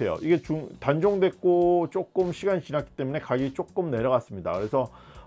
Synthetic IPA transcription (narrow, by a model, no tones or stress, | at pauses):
e̞jo̰ʔiɡe̞t͡ɕuŋtand͡ʑoŋdwe̞k̚k͈ot͡ɕ͈ok͈ɯmɕʰiɡanɲt͡ɕinat̚k͈i̥t͈e̞mune̞kaɡit͡ɕ͈ok͈ɯmne̞ɾjʌɣas͈ɯmɲida̰kɯɾe̞sʰʌ